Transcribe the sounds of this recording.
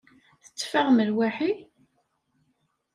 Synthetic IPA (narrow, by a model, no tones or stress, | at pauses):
θə̥t͡sːfaʁməlwæħi